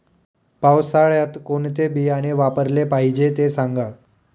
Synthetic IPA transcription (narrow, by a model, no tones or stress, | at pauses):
pawsaɭjat̪koɳt̪ebijaɽ̃eʋapəɾlepaɦid͡ʑet̪esaŋɡa